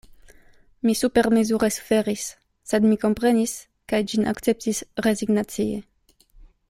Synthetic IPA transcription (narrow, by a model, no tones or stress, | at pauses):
misupeɾmezuɾesfeɾisː | ed̪mikompɾenis | kajd͡ʒina̰kt͡sep̚t̪isɾeziɡnat͡sie